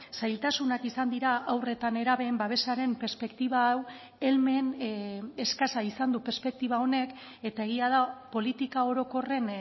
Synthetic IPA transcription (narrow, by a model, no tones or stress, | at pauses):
sajlt̪asunakisand̪iɾaʔawre̞t̪ane̞ɾaβe̞ːmbaβ̞e̞saɾe̞mpe̞ɾspe̞kt̪iβaːw | e̞lme̞ne̞skasaisand̪upe̞ɾspe̞k̚t̪iβ̞ao̞ne̞k | e̞t̪aeɣ̞iað̞apo̞lit̪ikao̞ɾo̞ko̞re̞n